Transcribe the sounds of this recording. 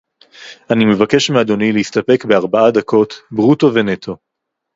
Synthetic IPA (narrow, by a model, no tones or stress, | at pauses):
ʔanime̞vake̞ʃmead̪o̞nileistape̞kbe̞aʁbaad̪ako̞tbʁuto̞ve̞ne̞tʰo̞